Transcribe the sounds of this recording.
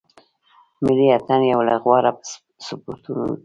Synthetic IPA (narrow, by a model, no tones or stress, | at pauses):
mɪliat̪anjawlaɣwaɾap | sʊpoɾt̪unṵn